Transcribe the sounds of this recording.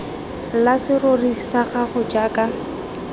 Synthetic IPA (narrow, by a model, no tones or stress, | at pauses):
lasɪrorisaχaχʊd͡ʒaːka